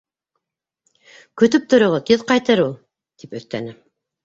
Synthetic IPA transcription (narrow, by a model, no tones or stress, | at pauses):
kɵ̆t̪ɵp̚t̪ŏɾŏʁot̪iðqɑjt̪ɤɾulˠ | t̪ipɵ̆θt̪æ̰nɘ